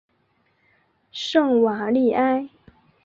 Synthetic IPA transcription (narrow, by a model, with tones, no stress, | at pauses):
ʂɤ˥˩ŋwa˨˥˦li˥˩ʔa˥ɪ